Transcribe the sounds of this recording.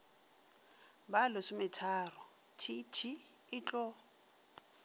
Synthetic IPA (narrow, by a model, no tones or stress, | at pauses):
balʊsɪmɪtʰaːrɔ | tʰitʰi | ɪt͡ɬʼɔ